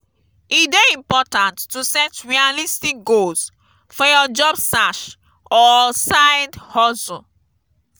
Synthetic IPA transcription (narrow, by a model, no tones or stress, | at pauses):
itdeĩmpɔtãntːusɛtɹialistik̚ɡols | fɔjɔd͡ʒɔbsaʃ | ɔsaɪdhɔsu